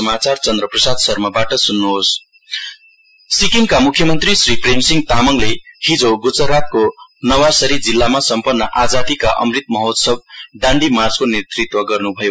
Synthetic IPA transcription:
ʌmat͡sart͡sʌnd̪rʌprʌsad̪sʌrmʌbaʈʌsunːuɦos | sikiŋkamukʰːjʌmʌnt̪risripremsiŋt̪amʌŋlehid͡zoɡut͡sʌɾat̪̚konʌwasʌɾid͡zilːamasʌmpʌnːʌʔad͡zad̪ikaʔʌ̰mrit̪̚mʌɦot̪sʌb̚ɖãɳɖimart͡skonet̪rit̪wʌɡʌrnubʱʌjo

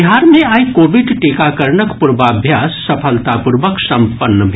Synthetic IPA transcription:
iɦaːɾmẽaːikoːʋɪɖʈeːkakəɾɳəkpuɾʋaːbʱjaːsːɐpʰəlt̪apuɾʋəksɐmpənːəbʱ

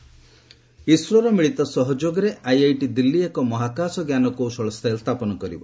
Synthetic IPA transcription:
isɾɔɾɔmiɭit̪ɔsɔɦɔd͡ʒoɡɔɾeʔajajʈid̪ilːiekɔmɔɦakasɔɡjanɔkuwsɔɭɔst̪ʰalst̪ʰapɔnɔkɔɾḭbɔ

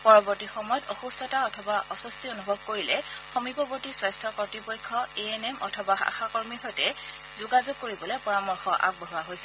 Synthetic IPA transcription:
pɔɹɔbɔɹtixɔmɔjɔtɔxustɔtaɔtʰɔbaʔɔsɔstionubʱɔb̚koɹilɛxomipɔbɔɹtiswastʰɔpɔtipɔjkʰːɔeenemʔɔ̰tʰɔbaa̰xakoɹmiɦɔjtɛ | zuɡazoɡ̚kːoɹibɔlɛpɔɹamɔɹxɔʔa̰ɡ̚bɔɦuwaɦojsɛ

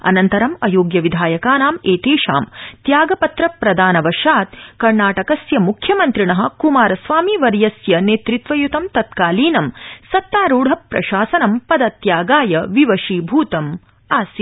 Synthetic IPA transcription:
ɐ̰nɐnt̪ɐɾɐmɐ̰joːɡjɐʋid̪ʱaːjɐkaːnaːmeːt̪eːʂa̰ːmt̪jaːɡɐpɐt̪ɾɐpɾɐd̪ʱaːnɐʋɐʃaːt̪̚kɐɾnaːʈɐkɐsjɐmukʰjɐmɐnt̪ɾiɳɐɦɐ̆kumaːɾɐsʋaːmiʋɐɾjɐsjɐneːt̪ɾit̪ʋɐjut̪ɐmt̪ɐt̪kaːliːnɐmsɐt̪ːaːɾuːɽʱɐpɾɐ̰ʃaːsɐnɐmpɐd̪ɐt̪jaːɡaːjɐʋiʋɐʃiːbʱuːt̪ɐm | aːsjɐ

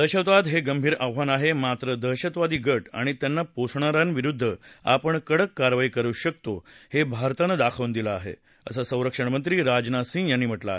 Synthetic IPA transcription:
d̪əɦɕət̪ʋad̪ɦeɡəmbʱiːɾawʋanaɦemat̪ɾəd̪əɕət̪ʋad̪iːɡəʈa̰ɽ̃it̪janːaposʰɳaɾanʋiɾud̪ʱːəa̰pəɳkəɽəkːaɾʋaikəɾuːɕək̚t̪ohebʱaɾt̪ənəd̪akʰəʋnd̪ilaːɦḛ | ə̰sasə̃w̃ɾəkʂəɳmənt̪ɾiːɾad͡ʑnasĩŋɡjanːiːm̤əʈlaaɦ

